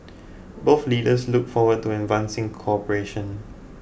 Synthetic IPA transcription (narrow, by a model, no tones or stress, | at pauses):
boθliːdəsluk̚fɔwəd̚tuɛ̃nvãnsɪ̃ŋkʰɔpəɹeʃə̃n